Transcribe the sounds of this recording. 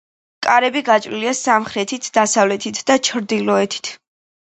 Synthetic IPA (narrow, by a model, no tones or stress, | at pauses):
kʼaɾɛbiɡat͡ʃʼɾiliasamχɾɛt̪ʰit̪ʰd̪asavlɛt̪ʰit̪ʰd̪at͡ʃʰɾd̪ilɔɛt̪ʰi̥t̪ʰ